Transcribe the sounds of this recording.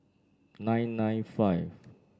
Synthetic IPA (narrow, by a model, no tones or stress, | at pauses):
nãjnːãjnfajv